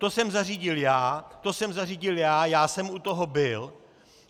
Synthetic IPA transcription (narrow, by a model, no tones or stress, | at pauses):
t̪o̞sɛmzariːɟɪljaːt̪o̞sɛmzariːɟɪljaːjaːsɛmut̪oɦo̞bɪl